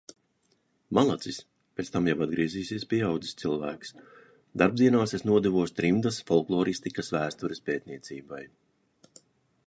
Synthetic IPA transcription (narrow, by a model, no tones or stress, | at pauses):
malˠat̪sis | pʲet̪st̪amjawad̪ɡɾiɛziːsʲiɛspʲiɛawd̪zi̥st̪silˠvæ̰ːks | d̪aɾbd̪ziɛnaːsesnuɔd̪ɛvuɔst̪ɾimd̪asfɔlˠklˠɔːɾist̪ikɐsvæːst̪uɾɛspeːt̪̚nʲiɛsiːbaj